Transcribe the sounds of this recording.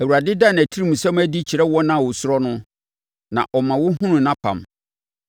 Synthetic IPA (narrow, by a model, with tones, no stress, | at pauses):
æ˨u˨ɾa˨dɪ˦da˦˨næ˨tʰi˦ɾĩ˦˨mũ˨sɛ̃˦m˦æ˦di˦t͡ɕʰi˨ɾɛ˦wɔ˦nã˦˨wʊ˨sʊ˦ɾɔ˦nʊ̃˦ | nã̰˨ʔɔ˨mã˨wʊ˦hʊ̃˦nũ˨nã˦pʰã̰˨m